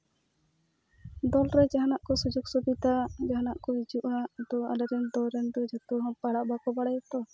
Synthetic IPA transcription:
d̪ɔlɾɛd͡ʒaɦanaʔkɔsud͡ʒuɡsubit̪ad͡ʒaɦnaʔkɔid͡ʒuʔad̪ɔa̰laɾɛnd̪ɔɾɛnd̪ɔd͡ʒat̪uɦɔ̃paɽaʔbakɔbaɽajɔt̪ɔ

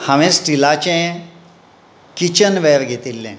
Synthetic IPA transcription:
haʋẽsʈilat͡ɕẽ | kit͡ɕənʋɛɾɡʱet̪ilːɛ̰̃

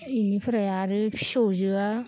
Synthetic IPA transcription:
inipʰɯɾajaɾɯpʰi̥sozɯa

